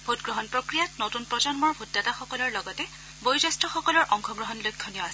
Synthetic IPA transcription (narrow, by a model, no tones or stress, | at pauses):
bʱutɡɹɔɦɔnpɹɔkɹijatnotunpɹɔd͡ʒɔnmɔɹbʱutːataxɔkɔlɔɹlɔɡɔtɛ | bojzɔstɔxɔkɔlɔɹʔɔŋxʰɔɡɹɔɦɔnlojkʰːɔnijɔas